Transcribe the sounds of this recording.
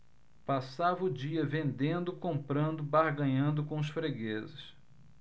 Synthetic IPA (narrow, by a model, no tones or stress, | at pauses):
pasavɐʊd͡ʒiɐvẽnd̪ẽnd̪ʊkõmpɾɐ̃nd̪ʊbaɾɡɐ̃ɲɐ̃nd̪ʊkõʊsfɾeɡezɪs